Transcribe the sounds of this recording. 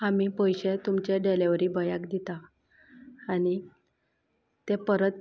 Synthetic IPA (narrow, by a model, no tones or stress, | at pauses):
amiːpəjɕet̪umt͡ɕeɖeleʋɾiːbəjakd̪it̪aː | ñi | t̪epəɾət̪̚